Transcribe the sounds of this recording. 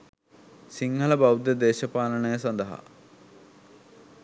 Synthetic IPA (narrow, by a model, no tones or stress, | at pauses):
siŋɡɐlɐbɐwd̪jɐd̪eːɕɐpaːlɐɳejəsɐnd̪əɐɦa̰